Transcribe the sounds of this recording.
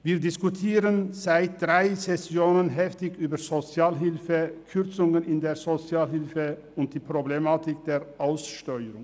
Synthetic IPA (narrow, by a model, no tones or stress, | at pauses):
viːɐdɪskutʰiːʁənz̥aɪt̚d̥ʁaɪsɛsjoːnənɦɛftɪçyːbɐzot͡sjaːlɦɪlfəkʰʏʁt͡sʊŋənɪndeːɐzot͡sjaːlhɪlfə | ʊnt̚d̥iːpʁoblemaːtɪkd̥eːʁʔaʊsʃtœʏəɾʊŋ